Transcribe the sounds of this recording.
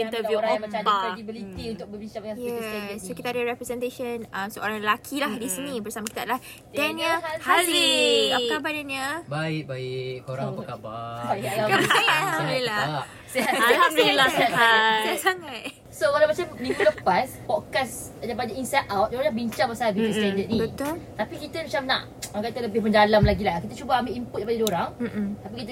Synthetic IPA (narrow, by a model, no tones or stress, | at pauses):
ĩt̪əvjuoɾãŋjmãt͡ʃãakɾɛdibilit̪iunt̪ʊk̚bəbiɲt͡ʃãbə̃jasavəssokit̪aːdaɾɛpɾɛsɛ̃nt̪eʃənamsəoɾaŋlakʰilahdisinĩbərsamakit̪adəlah | ddɛnahalikakabadaɲabaɪʔ̚baɪkkoɾaŋpəkababailakaaila | seaailasaataasaŋat̪̚ | sokalamat͡ʃamdifləpaspɔkas | dapadəʔinsat̪̚awt̪̚doaabiɲt͡ʃaŋpasaabit̪ustɛndət̪̚nĩt̪t̪apikit̪əmat͡ʃamna̰ʔ | akat̪ələbɪhpəɲd͡ʒalamlaɡilahkit̪ət͡ʃubaambiʔimpuʊt̚depadədoɾaŋ̩t̪apikit̪ə